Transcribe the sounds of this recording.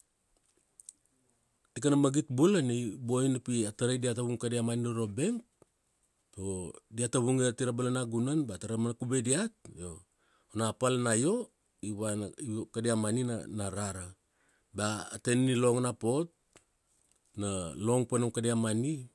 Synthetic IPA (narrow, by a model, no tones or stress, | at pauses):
tikanamaɡitbulanejbo̞jnapiataɾajdiataβuŋkadiamaninoɾo̞be̞ŋk̚ | odiataβuŋiatiɾabalanaɡunanbataɾamanakubediat̚o | onapalnajo̞ | iβakadiamanina̰naɾaɾa | baːtennilo̞ŋnapo̞t̚ | nalo̞ŋpanomkadiamani